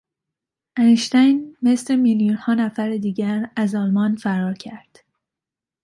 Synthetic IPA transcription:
æneʃt̪æjnmeslemiljunhɒːnæfæɾed̪iːɟæɾæzɒːlmɒnfæɾɒːɾcʰæɾd̪̥

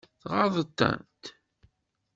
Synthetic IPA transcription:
θʁɑɾðˤət̪ːæ̰nt̪

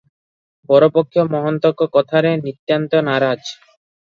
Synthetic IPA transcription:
bɔɾopokʰːjomɔɦont̪okːokɔt̪ʰaɾenit̪ːjant̪onaɾad͡ʑ

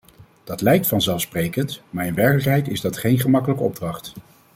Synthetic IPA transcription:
d̥ɑtlɛjk̚tfɑnzɛlˠfsprejkəntmaːɹɪnʋɛɹkələkɦɛjtɪzdɑtχejnχəmɑkələkəɔb̚drɑχt

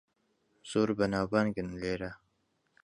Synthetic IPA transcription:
z̥uɾbanawbanɡənleːɾa

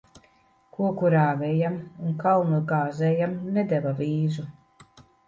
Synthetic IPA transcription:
kuɔkuɾaːvɛjamunkawnuɡaːzɛjamnɛd̪ɛvaviːzu

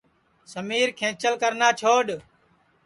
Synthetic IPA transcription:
səmiːɾkʰẽːt͡ʃəlkəɾnaːt͡ʃʰoːɗ

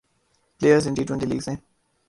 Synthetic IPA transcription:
pleːjəzɪ̃nʈiːtwɛ̃nʈiːliːɡzẽːn

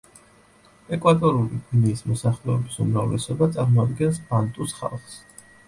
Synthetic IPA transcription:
ɛkʼwat̪ʼɔɾuliɡniːsmɔsaχlɛɔbisumɾavlɛsɔbat̪sʼaɾmɔad̪ɡɛnsb̥ant̪ʼusχa̰lˠχs

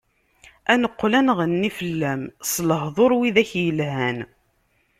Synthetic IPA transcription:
ænəqːlænʁənːifəlːæmsləɦðˤoɾwiðæçjəlhæn

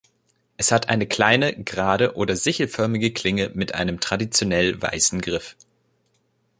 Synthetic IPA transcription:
ʔɛshatʔaɪnəkl̥aɪnəɡʁaːdəʔoːdɐzɪçl̩fœɐmɪɡəkʰl̥ɪŋəmɪtʔa̰ɪnəmtʁ̥adit͡sjonɛlva̰ɪsn̩ɡʁɪf

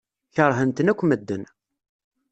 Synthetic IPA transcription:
çəɾˤɦənt̪ənækʷːməd̪ːən

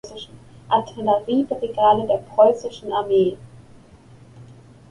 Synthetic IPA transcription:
sɪʃn̩ʔatʰɛləʁiːbʁeɡaːlədeːɐpʁ̥ɔʏsɪʃn̩aɐmeː

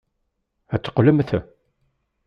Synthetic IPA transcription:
æt͡sːə̥qləmθə

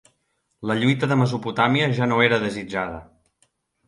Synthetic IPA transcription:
ləʎujt̪əðəməzuput̪amiəʒanoeɾəðəzid͡ʒaðə̰

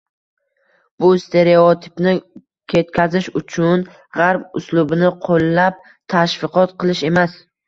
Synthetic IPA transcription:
bʊst̪ʰe̞ɾe̞ot̪ʰɪ̥pnɪ | kʲʰe̞t̪kʲʰazɪʃʊt͡ʃʰʊn | ʁaɾp̚ʊslʊbɪnɪqʰolˠːap̚ | t̪ʰaʃfɪqɒt̪qʰɨlˠɪʃe̞mas

